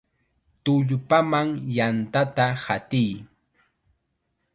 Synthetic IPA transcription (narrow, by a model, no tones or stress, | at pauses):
t̪ʊʎpamaŋjant̪at̪ahat̪ɪj